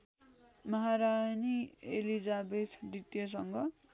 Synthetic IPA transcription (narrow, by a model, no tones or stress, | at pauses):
mʌɦaɾajnielid͡zabet̪ʰd̪it̪jʌs̬ʌŋɡʌ